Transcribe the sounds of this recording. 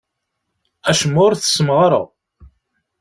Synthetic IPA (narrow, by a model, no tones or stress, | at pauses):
æʃəmːʊɾθə̥səmʁɾə̰